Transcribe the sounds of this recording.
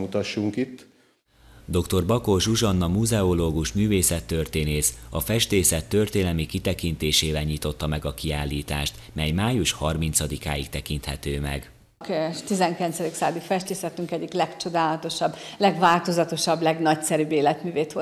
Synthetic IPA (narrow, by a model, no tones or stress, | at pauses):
mut̪ɒʃːuŋkit̪ː | d̪o̞kt̪o̞rbɒko̞ʒuʒɒnːɒmuzɛo̞loːɡuʃmyːveːsɛt̪ːørt̪eːneːsɒfɛʃt̪eːsɛt̪ːø̞rt̪eːnɛmikit̪ɛkint̪eːʃeːvɛlɲiːt̪o̞t̪ːɒmɛɡɒkiaːlːiːt̪a̰ːʃt̪mɛjmaːjuʃhɒrmint̪sɒd̪ika̰ːjikt̪ɛkint̪hɛt̪øːmɛ̰ɡ | kt̪izɛŋkilɛnsɛd̪iksaːd̪ikfɛʃt̪eːsɛt̪ːyŋkɛɟːiklɛkt͡ʃo̞d̪aːlɒt̪o̞ʃɒblɛɡvaːlt̪o̞zɒt̪o̞ʃɒblɛɡnɒcsɛɾyːbeːlɛt̪myːveːt̪ʋo